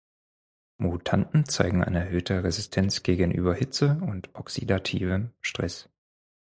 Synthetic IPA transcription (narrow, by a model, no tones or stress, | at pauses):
mutʰantn̩t͡saɪɡŋ̩ʔa̰ɪnəɛɐhɦøːtəʁɛzɪstʰɛnt͡sɡ̥eːɡənʔy̰ːbɐhɪt͡səʊntʔɔksidatʰiːvəmʃtʁ̥ɛs